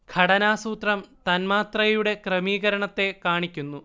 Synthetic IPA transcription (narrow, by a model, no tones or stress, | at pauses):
ɡ̥ʰʱɐɽɐnaːsuːt̪rɐmt̪ɐnmaːt̪rɐjjuɽe̞krɐmiːɣɐɾɐɳɐt̪ːe̞kaːɳikʲːunːu